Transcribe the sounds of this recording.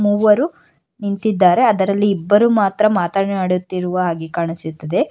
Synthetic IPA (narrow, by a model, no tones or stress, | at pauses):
muːʋɐɾu | nint̪id̪ːaːɾe̞ɐd̪ɐɾɐlːiːbːɐɾumaːt̪ɾɐmaːt̪aːɳeaːɽjut̪ːiɾuʋɐɦaːɡikaːɳisut̪ːɐd̪e̞